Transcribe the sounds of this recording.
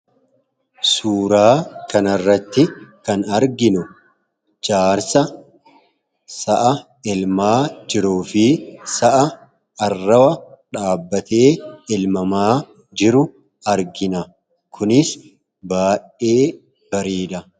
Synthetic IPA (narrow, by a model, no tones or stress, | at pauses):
suːɾaːkɐnɐrːɐt̪ːɪkɐnɐɾɡɪnʊ | d͡ʒʼaːɾsɐ | sɐʔɐ | ɪlmaːd͡ʒɪɾuːfɪsɐʔɐ | ɐrːɐwɐᶑaːbːɐt̪e̞ːɪlmɐmaː | d͡ʒɪɾʊ | ɐɾɡɪnɐ | kʰʊnɪs | baːjʔe̞ː | b̥ɐɾiːᶑ̪ɐ